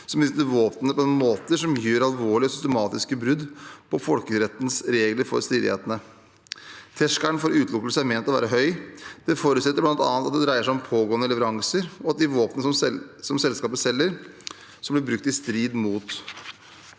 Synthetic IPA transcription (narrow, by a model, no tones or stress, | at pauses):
sɔmbɪst̪əɾʋoːpənəpʰɔɛnmoːt̪əʂɔmjyːɾɑlʋoːɭɪɔsʏst̪ɛmɑːt̪ɪskəbɾʉd̪pʰɔfɔlkəɾɛt̪ːnsɾeːɡləɾfɔ̰ɾst̪ɾiːd̪ɪ̰hḛːt̪ənə | t̪ʰɛʂkæɳfɔɾʉːt̪ʰlʊkːlsæmɛːnt̪ɔʋæ̰ːɾəɦœʏd̪̥ɛfɔɾʉt̪sɛt̪ːəɾblɑnt̪ɑ̰ːnt̪ɑt̪̚d̪ɛd̪ɾæɪəʂæɪɔmpʰoːɡoːənəlɛʋəɾɑŋsəɾɔɑt̪̚d̪ɪʋoːpənəsɔsɔmsɛlskɑːpəsɛlːəɾ | sɔmblɪɾbɾʉk̚t̪ɪst̪ɾiːd̪muːt̪